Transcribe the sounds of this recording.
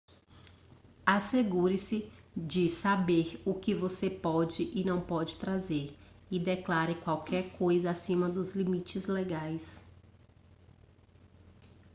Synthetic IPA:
aseɡuɾɪsɪd͡ʒɪsabeɾʊkɪvosepɔd͡ʒɪʔɪnɐ̃w̃pɔd͡ʒɪt̪ɾazeɾ | ɪd̪eklaɾɪkwawkɛɾkʰojzɐasĩmɐd̪ʊzlimit͡ʃɪzleɡajs

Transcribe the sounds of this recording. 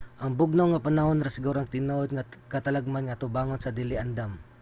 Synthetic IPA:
ʔɐŋbʊɡ̚nawŋɐpanahonɾasɪɡuːɾaŋt̪ɪnoʔod̪̚ŋakɐt̪ɐlaɡ̚manŋaʔat̪ʊbaːŋonsɐd̪ɪlɪʔand̪am

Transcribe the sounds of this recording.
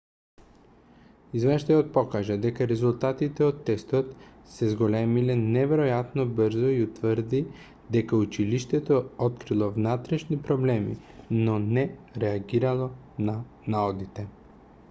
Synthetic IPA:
izvɛʃd̪ajot̪̚pɔkaʒad̪ɛkaɾɛzulˠt̪at̪it̪ɛot̪ːɛst̪ɔt̪ | sɛzɡolɛmilɛnɛvɛɾojat̪nobəɾzɔiut̪vəɾd̪i | d̪ɛkaut͡ʃiliʃt̪ɛt̪oɔt̪kɾilˠɔvnat̪ɾɛʃnipɾoblɛmḭ | nɔnɛɾɛaɡiɾalˠɔ | na | naɔd̪it̪ɛ

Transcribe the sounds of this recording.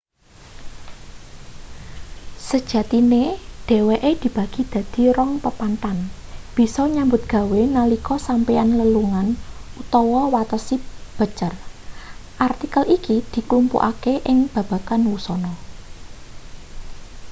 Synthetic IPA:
səd̥ʒ̥ä̤t̪ineɖ̪̥e̤weʔed̪̥i̤b̥ä̤ɡ̥i̤d̪̥ä̤d̪̥i̤ɾɔŋpəpant̪anb̥i̤sɔɲambʊt̪̚ɡ̥a̤wenəlikɔsampeanləluŋanut̪ɔwɔwat̪əsib̥ə̤t͡ʃər | ʔart̪ikəlʔikid̪̥i̤klumpṵʔa̰keʔɪŋb̥ä̤b̥a̤kanwusɔnɔ

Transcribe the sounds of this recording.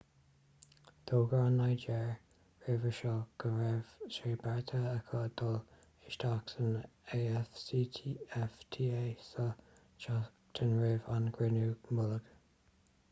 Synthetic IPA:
d̪̥oːɡɹanːajd͡ʒɛɹ | ɹɪvəʃɔɡ̥əɹɛvseːbɛɹt̪ʰəəkʰɔd̪̥ɔl | ɪʃt̪ʰaksəneːɛfsiːtʰiɛft̪ʰiːesə | t͡ʃa | t̪ʰənɹɪvanɡ̥ɹɪnuːmʊləɡ̥

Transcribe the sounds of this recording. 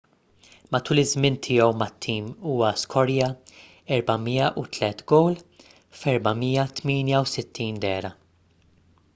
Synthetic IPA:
mɐt̪uːlɪzmɪnt̪ʰɪːjɔwmɐt̪ʰːiːmuːwɐskʰɔɾjɐ | ɛɾbɐmiːjɐʔut̪lɛt̪ɡɔwl | fɛɾbɐmiːjɐt̪miːnjɐwsɪt̪ʰːiːnd̪ɛːɾɐ

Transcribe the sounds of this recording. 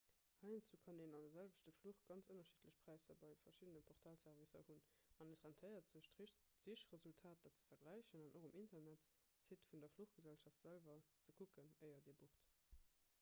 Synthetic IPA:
hɑɪnt͡sukʰɑndeːnɑndɐzælvəʃtəfluχɡ̥ɑnt͡sonɐʃitʰləɕpʁ̥æɪsɐbɑɪfɐʃidənəpʰɔʁtʰaːlsæʁvisɐ̰hun | ɑnətʁæntʰəɪɐtz̥əɕ | z̥iʃʁəzultʰaːt̚d̥aːtt͡sə̥fɐɡlæɪɕənɑnʔoχəmʔintɐnæt | sitfundɐfluχɡ̥əzælʃɑftz̥ælvɐ | t͡səkʰukənəɪɐdiːɐbuʁt

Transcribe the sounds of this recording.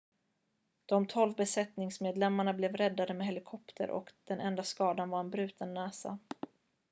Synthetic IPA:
d̪̥ɔmt̪ʰɔlvbɛsɛt̪nɪŋsmeːd̪lɛmːaɳablɛvɾɛd̪ːad̪əmɛɦɛlɪkʰɔpt̪ʰə̰ɾʔɔ̰kd̪̥ɛnʔɛnd̪askɑːd̪anvaɾɛnbɾʉ̟ːt̪ʰənːɛːsa̰

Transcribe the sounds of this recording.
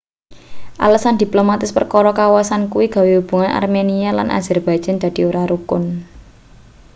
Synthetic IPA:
ʔa̰ləsand̪̥i̤plomat̪ɪspərkɔɾɔkawasankuwiɡ̥a̤weub̥ṳŋanʔa̰rmeniala̰nʔa̰zɛrb̥ḁʒ̥a̤nd̪̥a̤d̪̥i̤oɾaɾukʊn

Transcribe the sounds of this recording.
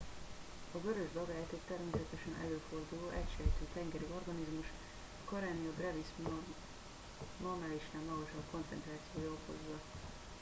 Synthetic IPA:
ɒɡøɾøʒbɒɡaːjt̪okt̪ɛrmeːsɛt̪ɛʃɛnʔɛ̰løːfo̞rd̪uloːʔɛcʃɛjt̪øːt̪ɛŋɡɛɾio̞rɡɒnizmuʃ | ɒkɒɾaːniob̪rɛvis | mɒmɛliʃnammɒɡoʃɒpko̞nt̪sɛ̰nt̪raːt̪sijoːjolpho̰zːɒ

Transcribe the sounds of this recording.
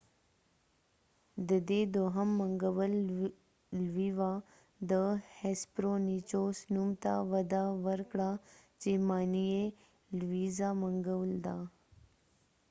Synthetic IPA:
d̪əd̪ed̪oːɦəmːəŋɡəʋəl | lʋiʋa | d̪əhespɾonit͡ʃoːsnumt̪a̰ʋəd̪aʋəɾkɽat͡ʃemaːnije | lʋiːzaməŋɡəʋld̪a

